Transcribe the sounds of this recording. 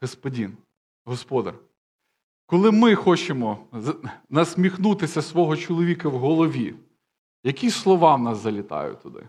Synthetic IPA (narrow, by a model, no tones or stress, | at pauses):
ɦɔspɔdʲin | ɦɔspɔd̪ɐ̰r | kɔlˠɪmɪxɔt͡ʃemɔ | nɐsʲmʲixnut̪ɪsʲɐsʋɔɦɔt͡ʃɔlˠɔʋʲikɐwɦɔlˠɔʋʲi | jɐkʲislˠɔʋɑnɑszɐlʲɪt̪ɑ̰jʊ̰t̪ʊd̪ɪ̰